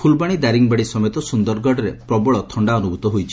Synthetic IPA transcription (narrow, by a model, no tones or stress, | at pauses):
pʰulbaɽ̃id̪aɾiŋbaɽisɔmejt̪ɔsund̪ɔɾɡɔɖɔɾepɾɔbɔɭɔt̪ʰɔɳɖaɔnubʱut̪ɔɦojt͡ʃʰi̥